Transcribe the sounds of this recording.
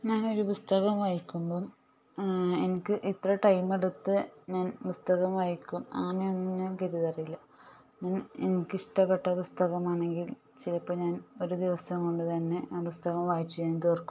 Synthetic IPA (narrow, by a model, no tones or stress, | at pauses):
ɲaːno̞ɾupust̪ɐɣɐmʋaːjikʲːumboː | e̞nikʲːɨʔit̪rɐʈɐjme̞ɽut̪ːɨɲaːnpust̪ɐɣɐmʋaːjikʲːumɐ̰ŋːɐneonːɨkɐɾiðɐrijilːɐ | ɲaːnenikʲːɨiʂʈɐpːeʈːɐpust̪ɐɣɐmaːɳe̞ŋɡil | t͡ɕilɐpːoɲaːno̞ɾud̪iʋɐsɐmko̞ɳɖɨt̪ɐnːe̞pust̪ɐɣɐmʋaːjit͡ɕːuaːnt̪eːrkːu̥m